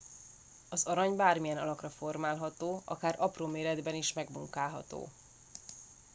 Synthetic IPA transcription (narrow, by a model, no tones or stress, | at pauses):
ɒzɒɾɒɲbaːrmijɛnɒ̰lɒkrɒfo̞rmaːlɦɒt̪oːɒ̰kaːɾʔɒproːmeːɾɛd̪bɛniʃmɛɡmuŋkaːlɦɒ̰t̪o̰ː